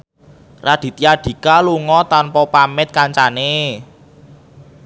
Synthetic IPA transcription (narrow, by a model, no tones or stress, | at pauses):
rad̪̥i̤t̪iaɖ̪̥i̤kaluŋɔt̪anpɔpamɪt̪̚kaɲt͡ʃane